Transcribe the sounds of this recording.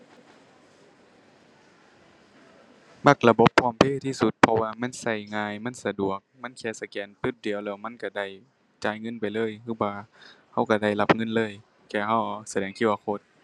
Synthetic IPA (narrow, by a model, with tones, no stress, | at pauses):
ma˧˩k̚la˧bo˧˦pʰːɔː˧˩˨mpʰeː˧˨t̪ʰiː˧˩˨su˧˦t̪̚pʰɔ˧waː˧ma˧˥˨nsa˧˩jŋaː˧jma˧˥˨nsa˧du˨˩ək̚ma˧˥˨nkʰɛː˧˨sa˧˩kɛː˨˦np̪ɯː˧˩di˨˦əwlɛː˧˩wma˧˥˨nka˧˩da˧˩j | t͡ɕaː˨jŋɤ˧˥˨npa˨jlɤː˧˥˨jkʰɯː˧˥˨waː˧˩ | ha˧˩˨wka˧˩da˧˩jla˧˥p̚ŋɤ˧˨nlɤː˧˥˨j | kɛː˧˩ha˧˩wsa˧dɛː˨˦ŋkʰi˧t̪̚wa˧kʰo˧˥t̪̚